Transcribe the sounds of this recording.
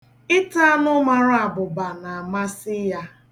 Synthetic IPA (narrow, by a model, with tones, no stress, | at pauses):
ɪ˦ta˦nʊ˦ma˨ɾa˦a˨bʊ˨ba˨na˨a˨ma˦sɪ˦ja˦